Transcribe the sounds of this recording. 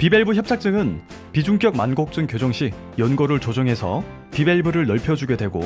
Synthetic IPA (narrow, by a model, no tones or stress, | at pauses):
pibe̞ɭbuçjʌp̚t͡ɕ͈ʰak̚t͡ɕ͈ɯŋɯn | pid͡ʑuŋk͈jʌk̚manɡok̚t͡ɕ͈ɯŋkjod͡ʑʌŋɕʰi | jʌnɡʌɾɯɭt͡ɕod͡ʑʌŋɦe̞sʰʌ | pibe̞ɭbuɾɯɭnʌɭpʰjʌd͡ʑuɡjedwe̞ɡo̰